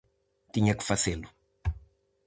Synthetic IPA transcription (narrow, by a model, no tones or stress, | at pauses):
t̪iɲɐkɨ̥fɐzelu